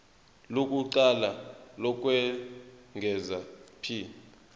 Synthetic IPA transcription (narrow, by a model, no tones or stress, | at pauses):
lok̬ʼuǀalalɔk̬ʼwɛŋɡʱɛzapʰiː